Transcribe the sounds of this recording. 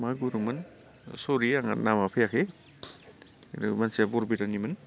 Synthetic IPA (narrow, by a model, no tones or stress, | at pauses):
maɡuɾumɐn | soɾiaŋa̰namapʰejakʰe | ɾmansiabɔɾbiɾanimɐn